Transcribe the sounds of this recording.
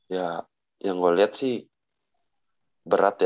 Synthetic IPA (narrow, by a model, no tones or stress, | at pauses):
ja | jaŋɡoliat̪̚sih | bəɾat̪